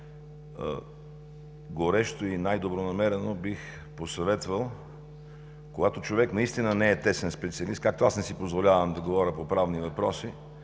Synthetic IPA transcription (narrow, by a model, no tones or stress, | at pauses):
ɡoɾɛʃt̪oinajd̪obɾonɐmɛɾɛnobix | posɐvɛt̪vəlˠ | koɡat̪ot͡ʃovɛknɐist̪inənɛɛt̪ɛsɛnspɛt̪siəlist̪kak̚t̪oasnɛsipozvolʲavəmd̪ɐɡovɔɾʲəpopɾavnivɐpɾɔsi